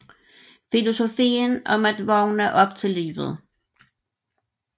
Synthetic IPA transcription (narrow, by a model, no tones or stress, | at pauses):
filo̝so̝fḭːnɒ̽mæd̥ʋɒʊ̰næʔɒ̽b̥̚t͡sʰe̝lːḭːʋð̩ˠ